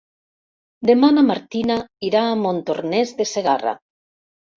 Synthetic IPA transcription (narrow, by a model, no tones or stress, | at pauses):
d̪emanamaɾt̪inaiɾaːmõnt̪oɾnezðeseɣara̰